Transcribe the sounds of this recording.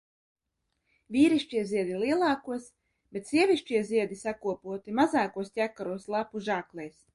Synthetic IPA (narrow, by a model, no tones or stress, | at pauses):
vʲiːɾiʃt͡ʃiɛzʲiɛd̪ilˠiɛlˠɑːkuɔs | b̥ʲet̪sʲiɛvʲiʃt͡ʃiɛziɛd̪isakuɔpuɔt̪imazaːkuɔstʲækːaɾuɔslˠapuʒaːklˠɛjs